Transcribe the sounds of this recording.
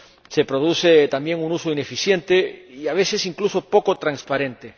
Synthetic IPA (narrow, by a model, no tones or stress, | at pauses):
sepɾoðuθet̪ambjeŋunusoinefiθjent̪eiaβ̞eθesiŋklusopokot̪ɾanspaɾẽnt̪e